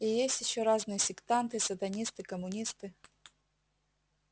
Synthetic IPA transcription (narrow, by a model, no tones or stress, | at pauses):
ɪjesʲtʲjɪɕːoɾaznɨjəsʲɪkt̪ant̪ɨsɐt̪ɐnʲist̪ɨkəmʊnʲist̪ɨ